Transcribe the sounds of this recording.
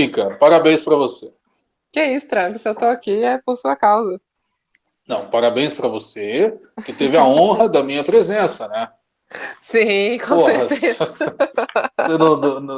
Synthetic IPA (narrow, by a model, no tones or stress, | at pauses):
fikɐpaɾabẽj̃spɾɐvose | kɪɛist̪ɾɐ̃kɪsɪewt̪oakiɛpoɾsuɐkawzɐ | nɐ̃w̃paɾabẽj̃spɾɐvose | kɪt̪evɪɐõɦɐd̪ɐmĩɲɐpɾezẽsɐnɛ | sĩkõposeɾhɐt̪eɐ | senɐ̃nñ